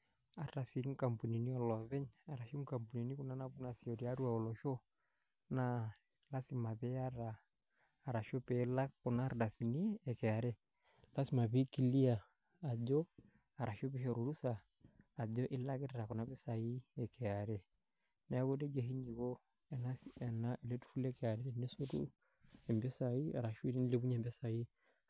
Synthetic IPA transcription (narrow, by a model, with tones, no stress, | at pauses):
a˦ɾa˨si˨˦ŋ̩˦ka˨mpu˨ni˨ni˦ɔ˦˨lɔ˨βɛ˦ɲa˨ɾa˨ʃi˦ŋ˦ka˨mpu˨ni˨ni˦ku˦na˦na˦bu˦na˨si˨ɔ˨di˨a˦ɾu˦a˨ɔ˨lɔ˨ʃo˦ | na˦ | la˦si˨ma˨pɛ˦a˦ɾaː˨ | ɾa˨ʃo˦pɛ˨˦la˦kkʊ˨na˦ɾda˨si˨ni˦ɛ˨kɛ˨a˨ɾɛ˦ | la˦si˦ma˨bi˦ki˨li˦aː˨ | ɟɔ˦ | a˨ɾa˨ʃo˦bɛ˦ʃɔ˨ɾu˨ɾu˦saː˨ | d͡ʒɔ˦ʔɪ˦la˦kɛ˦tɾa˨kɔ˨na˦bɛ˦sa˨ji˦ɛ˨kɛ˨a˨ɾɛ˦ | nɛ˦a˦ɡo˦dɛ˦d͡ʒe˨ɦi˦ɲd͡ʒi˨ɡo˦ | ɛ˨na˦sɛ˨na˦ʔɛ˨lɛ˦tu̥˦fu˦lɛ˦kɛ˨a˨ɾɛ˦tɛ˨nɛ˦su˦tṵ˦ | ɛ˨mbɛ˦sa˨i˦a̰˨ɾa˨ʃi˦ni˦le˦bu˦ɲɛ˨mbɛ˦sa˨ji˦